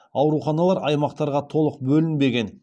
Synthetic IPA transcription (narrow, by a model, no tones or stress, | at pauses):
ɑwɾuχɑnɑlˠɑɾɑjmɑqt̪ɑɾʁɑt̪ʰo̞lˠəqbɵlɪnbe̞ɡʲe̞n